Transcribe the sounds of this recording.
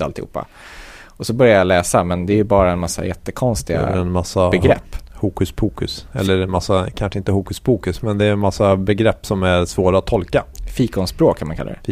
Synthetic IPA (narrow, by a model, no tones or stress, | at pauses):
alt̪ɪhṵːpːa̰ | ɔsɔbœɾjajalɛːsamɛnd̪ɛːjɵbɑːɾaɛnmasːa̰jɛt̪ːəkʰɔnst̪ɪɡa̰ɛnmasːabɛɡɾɛ̰pːhuːkʉsbʰuːkɵsɛlːəɾɛmasːakʰanʂəɪnt̪əhuːkɵsbʰuːkɵsmɛnd̪ɛːnmasːabɛɡɾɛpːsɔmæɾsvoːɾaat̪ʰːɔlkafiːkɔnspɾoːkʰːanmankalːa̰ɾɛ̰